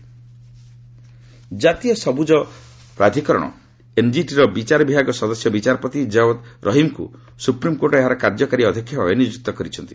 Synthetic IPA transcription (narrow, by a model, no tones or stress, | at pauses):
d͡ʒat̪iɔsɔbud͡ʒɔ | pɾad̪ʱikɔɾɔ̰ɽ̃ɔ̰ | emd͡ʒiʈiɾɔbit͡ʃaɾɔbibʱaɡɔsɔd̪ɔsjɔbit͡ʃaɾɔpɔt̪id͡ʒaod̪ɾʔɔɦimkṵ | supɾimkoʈɔeɦaɾɔkaɾd͡ʒɔkaɾiɔd̪ʱɔkʰːjɔbʱabenid͡ʒuk̚t̪ɔkɔɾit͡ʃʰɔnt̪i̥